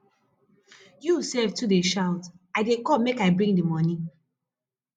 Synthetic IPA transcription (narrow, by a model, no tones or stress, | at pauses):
jusɛvtʰudeʃaʊt | aɪdekɔmːekaɪbɹĩŋdimɔni